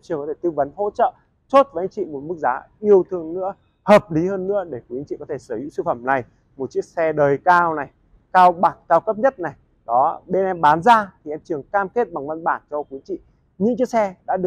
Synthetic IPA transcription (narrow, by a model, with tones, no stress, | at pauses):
t͡ɕŋkɔ˨˦t̪ʰe˧˩t̪ɨ˧və˨˦nɦo̰˧˥t͡ɕə̰ː˧˨ | t͡ɕo˦˥t̚və˨˦ʔa˧ŋ̟t͡ɕḭ˧˨mo˨˩t̚mɨ˦˥k̚zaː˨˦ʔi˧əwt̪ʰɨ˧əŋnɨ̰˧˥ə | həː˨˩p̚li˨˦həː˧nːɨ̰˧˥əɗe˧˩ku˨˦ʔŋ̟t͡ɕḭ˧˨kɔ˨˦t̪ʰe˧˩səː˧˩hḭ˧˥sɨ˧fə˧˩mna˨˩j | mo˨˩t̚t͡ɕi˦˥ək̚sɛ˧ɗəː˨˩jkaː˧wna˨˩j | kaː˧wɓaː˨˩t̚kaː˧wkə˦˥p̚ɲə˦˥t̚na˨˩j | ɗɔ˨˦ɓe˧nʔɛ˧mɓaː˨˦nzaː˧t̪ʰi˨˩ʔɛ˧mt͡ɕɨ˨˩əŋkaː˧mke˦˥t̚ɓa˨˩ŋvə˧nɓaː˧˩nt͡ɕɔ˧kwi˨˦ət͡ɕḭ˧˨ | ɲɨ̰˧˥ŋt͡ɕi˧˥ksɛ˧ɗa̰ː˧˥ɗɨ˨˩ə